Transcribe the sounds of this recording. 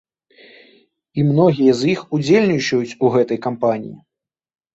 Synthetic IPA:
imnɔɣʲijɐzjixud͡zʲelʲnʲit͡ʂɐjut͡sʲuɣɛt̪ɐjkampanʲḭjḭ

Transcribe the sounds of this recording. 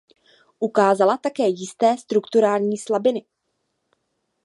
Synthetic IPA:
ʔukaːzalat̪akɛːjɪst̪ɛːst̪ɾukt̪uɾaːlɲiːslabɪnɪ

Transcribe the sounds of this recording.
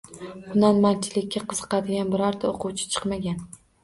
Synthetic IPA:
bʊnanmant͡ʃʰɪlɪkʲːaqʰɨz̥ɨqɑd̪ɪɡʲanbɪɾɒɾt̪ʰaoqʰʊwt͡ʃʰɪ̥t͡ʃʰɨ̥qmaɡʲan

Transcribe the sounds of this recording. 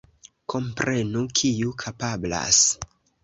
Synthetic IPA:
kʰo̞mpɾe̞nukʰijukʰapabla̰s

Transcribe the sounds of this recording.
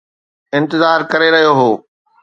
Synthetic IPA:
ɪ̃nt̪ɪzaːɾkɐɾeɾɐɦijoɦoː

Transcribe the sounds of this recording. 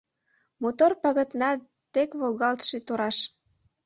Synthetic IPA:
mot̪orpɑɣət̪nɑ | t̪ekβolɣɑlt̪ʃet̪oɾɑʃ

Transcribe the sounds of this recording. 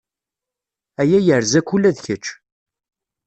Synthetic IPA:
æjæjəʕɾzækːulːæðçət͡ʃː

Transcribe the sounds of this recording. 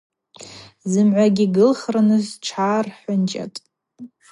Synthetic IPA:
zɨmʕʷaɡʲiɡɨlχranɨzʈ͡ʂʰaːrħʷʊnt͡ʃʼa̰tʼ

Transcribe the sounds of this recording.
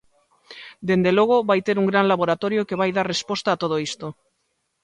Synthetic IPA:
d̪e̞nd̪eloɣ̞oβajt̪eɾuŋɡɾanlaβoɾat̪oɾjokeβ̞ajðaɾrespost̪aːt̪oð̞oist̪o

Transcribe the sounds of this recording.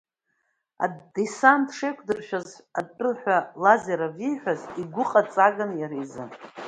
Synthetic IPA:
a̰desantʰʂejkʷʰdɨrʃᶣazad̚pʼɨlħʷᶣalazeɾavijħʷᶣaziɡʷʊqʼat͡sʼaɡanjaɾizɨ̰n

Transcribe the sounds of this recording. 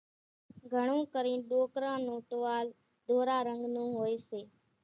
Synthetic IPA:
ɡʱəɳ̃ũːkəɾĩːɗoːkɾãːnũːʈoːʋaːl | d̪ʱoːɾaːɾəŋɡnũːɦoːeːseː

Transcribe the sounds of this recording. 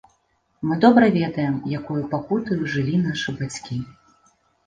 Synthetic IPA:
mɨd̪ɔbɾɐvʲɛd̪ɐjɛmjakujupakut̪ɐjuʐɨlʲin̪aʂɨbat͡sʲkʲi

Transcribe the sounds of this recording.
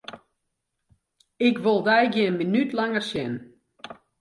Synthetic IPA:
ɪkʋolˠdɛjɡjɪnminytʰlaŋərsjɛn

